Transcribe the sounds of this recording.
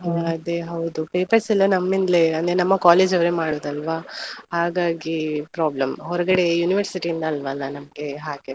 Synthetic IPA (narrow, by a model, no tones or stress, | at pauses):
ɐd̪eɦɐwd̪upeːpɐɾsilːɐnɐmːind̪leɐnd̪ɾenɐmːɐkaːle̞ːd͡ʒɐʋɾeːmaːɽuːd̪ɐlʋahaːɡaːɡipɾaːblɐmɦɔɾɐɡɐɽe̞juːniʋɐɾsiʈiːnd̪ɐːlʋɐːlːɐnɐmɐɡe̞ɦaːɡe